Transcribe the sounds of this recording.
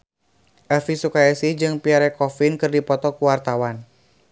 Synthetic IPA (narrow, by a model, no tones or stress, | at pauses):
ʔɛfisukaɛsid͡ʒɨŋpiaɾɛkɔfinkɨrdipɔt̪ɔkuwart̪awan